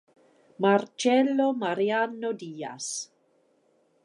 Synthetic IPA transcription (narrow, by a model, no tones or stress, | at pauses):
mart͡ʃɛlomaɾianodiːa̰s